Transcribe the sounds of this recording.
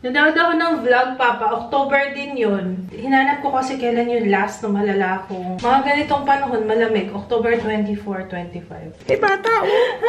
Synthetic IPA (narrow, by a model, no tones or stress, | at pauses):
nʊd̪ɐod̪ɐkonɐŋvlɐɡ̚paːpɐʔok̚t̪oːbɛɹd̪ɪnjon | hɪnahɐnɐp̚kokɐsɛkɐjlanjʊnlast̪nɐŋmɐlɐlaːɐkoŋmɐŋaɡɐnɪt̪o̞ŋpɐnɐɦo̞nmɐlɐmɛɡʔok̚t̪oːbɛɹt̪wɛnt̪ifoɹt̪wɛnt̪ifa̰jv̥ɐjbaːt̪aʔ